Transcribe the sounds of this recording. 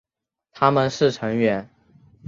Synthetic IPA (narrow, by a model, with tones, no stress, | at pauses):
t̪ʰa˥mə˨nʂɻ̩˥˩ʈ͡ʂʰɤ˧˥ŋɥɛ˧˥n